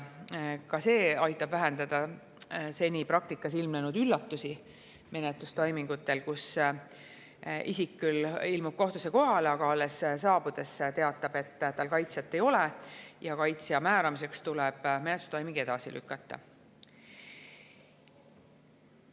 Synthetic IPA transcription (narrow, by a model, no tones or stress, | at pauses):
kɑse̞ːɑjt̪ːˑɑb̥væɦe̞nd̪ɑd̪̥ɑ | se̞nʲipɾɑkt̪ikːˑɑsilmnenud̪ylːɑt̪ːusi | me̞net̪lust̪ɑjmiŋɡ̥ut̪ːˑe̞lkus | isikːylilmub̥̚ko̞ht̪use̞ko̞ɦɑleɑkɑɑlessɑːb̥ud̪̥e̞st̪e̞ɑt̪ˑːɑb̥e̞t̪ːt̪ːɑlkɑjt̪sjɑt̪ːˑe̞jo̞lejɑkɑjt̪siɑmæːɾɑmis̬e̞kst̪ulɛb̥me̞net̪lu̥st̪ɑjmiɡ̥ie̞d̪̥ɑsḭlʔy̰kːˑɑt̪ːɑ̰